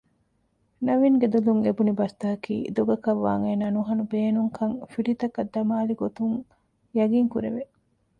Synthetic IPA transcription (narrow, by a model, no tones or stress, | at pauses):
nɐʋiŋɡed̪uluŋebunibɐst̪aːkḭːd̪oɡɐkɐʋːa̰ːŋeːnaːnuɦɐnubeːnuŋkʰɐŋfiɖit̪ɐkɐd̪ːɐmaːliɡot̪uŋ | jɐɡiŋkuɾḛʋe